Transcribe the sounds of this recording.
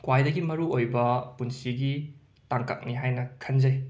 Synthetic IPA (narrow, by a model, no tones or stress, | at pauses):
kwajdɐɡimɐɾuojbɐpunsiɡi | taŋka̰k̚niɦajnɐkʰɐnzɐj